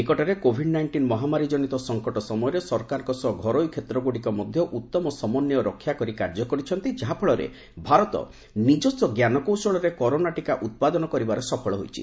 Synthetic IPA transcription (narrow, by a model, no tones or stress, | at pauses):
ekɔʈaɾekobʱiɖnajɳʈinmɔɦamaɾid͡ʒɔɽit̪ɔsɔŋkɔʈɔsɔmɔjɔɾesɔɾkaɾɔŋkɔsɔɡʱɔɾojkʰet̪ɾɔɡuɽikɔmɔd̪ʱjɔʔut̪ːɔmɔsɔmɔnjɔɾɔkʰːjakɔɾikaɾd͡ʒɔkɔɾit͡ʃʰɔnt̪id͡ʒaɦapʰɔɭɔɾḛ | bʱaɾɔt̪ɔ̰ | nid͡ʒɔsɔɡjanɔkowsɔɭɔɾekɔɾonaʈikaʔut̪̚pad̪ɔnɔkɔɾibaɾɔsɔpʰɔɭɔɦojt͡ʃʰḭ